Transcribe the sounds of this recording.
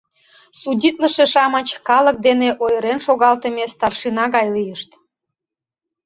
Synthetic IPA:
sudʲit̪ləʃeʃɑmət͡ɕkɑlə̆k̚d̪eneʔojəɾenʃoɣɑlt̪ə̆mest̪ɑrʃinɑɣɑjlijəʃt̪

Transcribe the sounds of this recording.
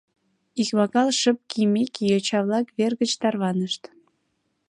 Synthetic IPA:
ikβɑkɑlʃəp̚kʰimekijot͡ɕɑβlɑkβerɣət͡ɕt̪ɑrβɑnəʃt̪

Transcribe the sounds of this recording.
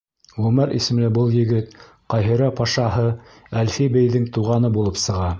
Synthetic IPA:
ʁɵmæɾʔḭsɘ̆mlɘbɤlˠjɘ̆ɡɘt̪ | qɑjɦɤ̆ɾɑpɑʃɑɦɤ | ælfibɘ̆jðɘŋt̪uʁɑnɤbulˠɤpsɤ̆ʁɑ

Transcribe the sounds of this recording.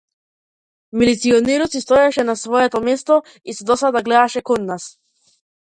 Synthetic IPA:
milit̪siɔnɛɾɔt̪sist̪ɔjaʃɛnasvɔɛt̪ɔmɛst̪ɔ | isɛd̪ɔsad̪aɡlɛd̪aʃɛkɔnːas

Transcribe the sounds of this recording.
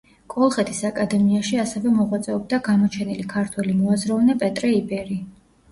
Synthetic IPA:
kʼɔlˠχɛt̪ʰisakʼad̪ɛmiaʃiasɛvɛmɔʁwat̪sʼɛɔb̚d̪aɡamɔt͡ʃʰɛnilikʰaɾt̪ʰwɛlimɔazɾavnɛpʼɛt̪ʼɾɛibɛɾi

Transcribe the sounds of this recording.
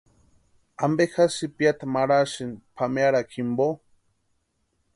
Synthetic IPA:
ambexasipjat̪amaɽaʃinpʰameaɽakʰimbo

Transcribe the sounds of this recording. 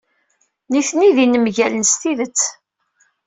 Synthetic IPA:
niθniðinəmʝælənst̪iðət͡sː

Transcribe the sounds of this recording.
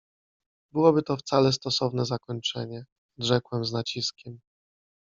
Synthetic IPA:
bɘwɔbɘt̪ɔft̪salɛs̬t̪ɔsɔvnɛzakɔɲt͡ʂɛɲɛ | ɔd̪ʐɛkwɛmznat͡ɕiskʲɛm

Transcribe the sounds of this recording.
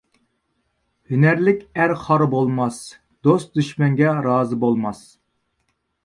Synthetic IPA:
hynæɾlɪkʲæɾχɑɾbolˠmɑs | d̪̥ost̪̚d̪yʃmɛŋɡʲɛɾɑːzɨbolˠmɑs

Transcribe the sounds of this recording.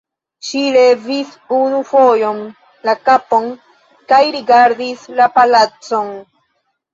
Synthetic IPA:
ʃilevis | unufojo̞n | lakapo̞n | kajɾiɡaɾdislapalat͡so̞n

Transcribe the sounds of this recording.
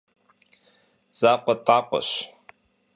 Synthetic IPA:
z̥aːqʷət̪ʼaqʷʊ̰ɕ

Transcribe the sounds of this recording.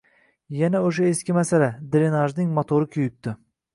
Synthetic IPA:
janaoʃ̬aeskʲɪmasalad̪ɾenaʒnɪŋmot̪ʰoɾɪkʲʰʊjɪp̚t̪ɪ

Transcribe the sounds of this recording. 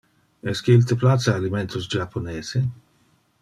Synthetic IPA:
ɛskeilt̪eplat̪seaːliment̪ʰosd͡ʒapʰːoneːze

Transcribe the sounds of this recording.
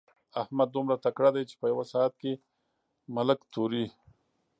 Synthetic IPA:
ahmad̪ːumɾat̪akɽad̪ajt͡ʃe̥pəjawasaat̪̚ke | maləkt̪ʰoɾi

